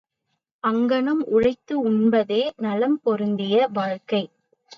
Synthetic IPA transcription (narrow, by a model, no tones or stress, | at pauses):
ʔɐŋɡɐɳɐmʔʊɻɐɪt̪ːɯʊnbɐðeːnɐlɐmpɔɾɯnd̪ɪjɐʋaːɻkɐɪ